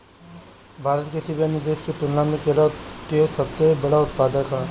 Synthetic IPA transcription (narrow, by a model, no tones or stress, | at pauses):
bʱaːɾət̪kesɪbanɪzd̪eːʃket̪ʊnlãmẽkelakeosɐbsebɐɽaʊt̪̚paːd̪əkaː